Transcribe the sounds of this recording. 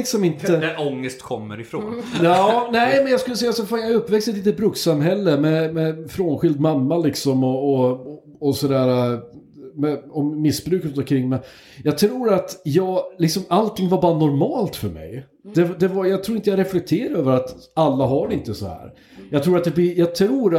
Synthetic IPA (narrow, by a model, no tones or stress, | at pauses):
ɪksɔmɪnt̪əɔŋːəst̪kʰɔmːəɾɪfɾo̰ːnɑːnɛɪmɛnjɑskɵləsɛjːasɔfaːnjɑɵpːvɛkst̪əɛt̪liːt̪ət̪̚bɾʉksamɦɛlːəmɛmɛfɾoːnɧɪld̪mamːalɪksɔmɔɔ | ɔsɔd̪æːɾa | mɛɔːɪsːbɾʉ̟ːkʉt̪ɔkʰɾɪŋːmɛn | jɑɡ̚t̪ʰɾuːɾat̪jɑːɡlɪksɔmalt̪ʰɪŋːvaɾbɑːɾanɔɾmɑːlt̪fœɾmɛ̰j | d̪̥ɛd̪ɛvajɑɡt̪ʰɾuːɾɪnjaɡɾɛflɛk̚t̪ʰeːɾaɾøːvəɾat̪alːaɦaɖɛɪnt̪əsɔ̰hæ̰ːɾ | jɑɡt̪ʰɾuːɾat̪̚d̪ɛblɪjɑɡt̪ʰɾuːɾ